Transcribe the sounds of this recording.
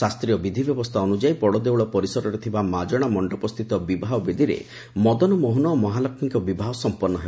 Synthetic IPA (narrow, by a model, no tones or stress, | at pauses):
sast̪ɾijɔbid̪ʱibjɔbɔst̪ʰaɔnud͡ʒajpɔɽɔd̪ewɭɔpɔɾisɔɾɔɾet̪ʰibamad͡ʒɔɽ̃amɔɳɖɔpɔst̪ʰit̪ɔbibʱaɦɔbed̪ʱiɾḛ | mɔd̪ɔnɔmoɦunɔːmɔɦalɔkʰmikɔbibʱaɦɔsɔmpɔɾnːɔɦe